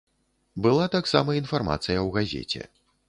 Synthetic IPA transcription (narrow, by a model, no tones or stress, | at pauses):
bɨlˠat̪aksamɐinfarma̰t̪sɨjɐwɣazʲḛt͡sʲɛ̰